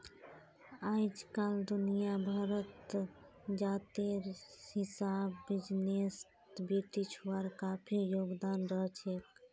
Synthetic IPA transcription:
ajd͡ʒkald̪unijabʱaɾət̪ | d͡ʒat̪eɾhisabːid͡ʒnes | beʈit͡ʃʰaɾkapʰijoɡd̪anɾəɦt͡ʃʰek

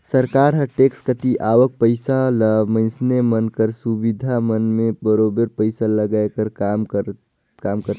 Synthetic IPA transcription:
səɾkaːɾɦɐʈeːkskət̪iʔaːʋək̚pəɪsaləmə̃nsnemənkəɾsubɪd̪ʱamənmẽbəɾoːbəɾpəɪsaləɡajkəɾkamkə | kaːmkəɾ

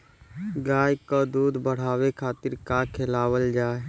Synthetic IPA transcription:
ɡaːjkəd̪uːd̪bəɽ̤aːwekʰaːt̪ɪɾkakʰelawəld͡ʒaːe

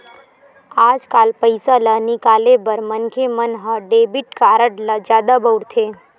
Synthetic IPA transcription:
aːd͡ʒkaːlpəɪsalənɪkaːlebəɾmənkʰemənɦəɖeːbɪʈkaːɾəʈləd͡ʒjaːd̪abəʊɽt̪ʰeː

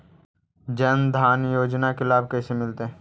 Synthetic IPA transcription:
d͡ʒənd̪ʱaːnjoːd͡ʒnakelaːbkɛːsemɪlt̪eɦ

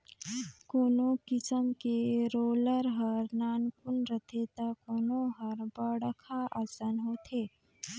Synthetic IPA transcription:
koːnokɪsəmkeɾoːləɾɦəɾnaːnkʊnɾət̪ʰet̪akoːnoɦəɾbəɽəkʰaʔəsənɦoːt̪ʰeː

